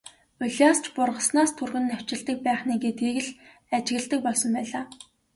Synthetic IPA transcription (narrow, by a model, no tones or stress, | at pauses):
ɵɮʲast͡ɕpʊrʁə̆snaːst̪ʰurɣɘ̆nːæw̥ʲt͡ɕɪ̆ɮt̪ə̆k̚pæːχniːɡet̪ɡeɣɘ̆ɮ | at͡ɕɪ̆ɣɘ̆ɮt̪ə̆k̚pɔɮsɞ̆mpæːɮaː